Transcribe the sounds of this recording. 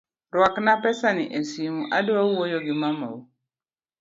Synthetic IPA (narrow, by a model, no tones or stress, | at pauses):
ɾwaknapɛsanɪʔesimuʔadʊawojoɡɪmama̰u